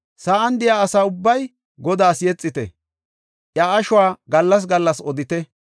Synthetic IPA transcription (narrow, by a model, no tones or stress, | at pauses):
saːʔɐnd̪ɪjaːɐsaːʊbːɐj | ɡɔd̪aːsjɛt͡sʼːɪt̪ɛ̰ | ʔjaʔːʃʊwaːɡɐlːɐs̬ɡɐlːɐsɔd̪ɪt̪ɛ